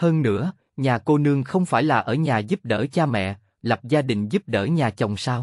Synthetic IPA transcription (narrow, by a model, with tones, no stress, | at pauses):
həː˧nːɨ̰˧˥ə | ɲaː˨˩ko˧nɨ˧əŋxə˧wŋ͡mfaː˧˩jlaː˨˩ʔəː˧˩ɲaː˨˩zu˦˥p̚ɗəː˧˩t͡ɕaː˧mɛ̰˧˨ | lə˨˩p̚zaː˧ɗï˨˩ŋ̟zu˦˥p̚ɗəː˧˩ɲaː˨˩t͡ɕə˨˩wŋ͡msaː˧w